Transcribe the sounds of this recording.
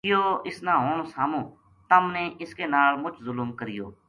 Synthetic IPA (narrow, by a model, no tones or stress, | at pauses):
ɪjoːɪsnãːɦoːɳ̃oːsaːmõː | t̪əmnẽːʔɪskeːnaːlmʊt͡ʃʰzʊlʊmkəɾɪjo̰ː